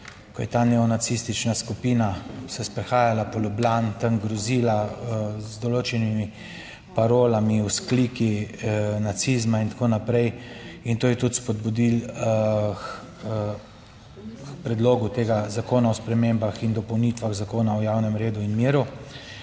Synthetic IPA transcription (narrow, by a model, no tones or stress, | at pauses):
kɔjɛt̪aːnɛɔnat̪sist̪it͡ʃnaskupiːnasɛspɾɛxaːjalapɔlublant̪əŋɡɾɔziːlazd̪ɔloːt͡ʃɛnimi | paɾoːlamiuskliːki | nat̪sizmaint̪akoːnapɾɛjint̪oːjɛt̪ut̪spɔd̪̚bud̪il | xpɾɛd̪loːɡut̪eːɡazakoːnaɔspɾɛmembaxind̪ɔpɔwnit̪ʋaɣzakoːnaɔjawnɛmɾeːd̪uinmiːɾu